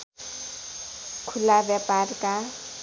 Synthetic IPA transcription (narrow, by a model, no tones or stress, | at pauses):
kʰulabjaparka